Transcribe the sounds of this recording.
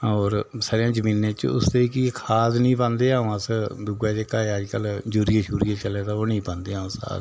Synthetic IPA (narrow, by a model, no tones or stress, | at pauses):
ɔːɾsaːɾejãːd͡ʒəmiːnãːt͡ʃʊ̰st̪eːikikʰaːznĩːpə̃ːnd̪eːãːõːəsd̪uɡaːd͡ʒeːkaːeaːd͡ʒkəld͡ʒuːɾieːʃuːɾieːt͡ʃəleːt̪aːoːnĩːpə̃ːnd̪eːɦãːsa̰